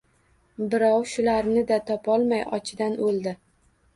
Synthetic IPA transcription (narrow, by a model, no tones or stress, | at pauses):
bɪɾɒwʃʊlaɾnɪd̪at̪ʰɒpʰɒlˠmajɒ̰t͡ʃʰɪd̪anolˠd̪ɪ